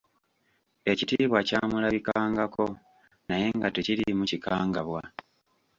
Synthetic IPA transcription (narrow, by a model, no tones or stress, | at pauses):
e̞citiːβwacaːmulaβikaːŋɡako̞ | naje̞ŋɡateciɾimucikaːŋɡaβwa